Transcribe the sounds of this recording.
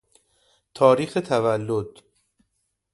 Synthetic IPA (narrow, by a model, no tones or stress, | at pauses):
t̪ʰɒːɾiːxet̪ʰævælːod̪̥